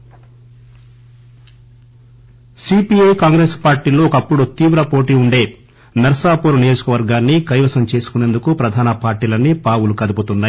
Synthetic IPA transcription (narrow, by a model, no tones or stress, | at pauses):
sipiejkaːŋɡɾe̞ːspaːɾʈiːlo̞ːkɐpːuɽut̪iːʋɾɐpo̞ːʈiːuɳɖe̞ː | nɐɾɐsaːpuːɾunijo̞ːd͡ʒukɐʋɐɾɡaːnːikɐjʋɐsɐmt͡ʃe̞ːsu̥kune̞nd̪ukupɾɐd̪ʱaːnɐpaːɾʈiːlɐnːipaːwulukɐd̪ɐput̪unːaːj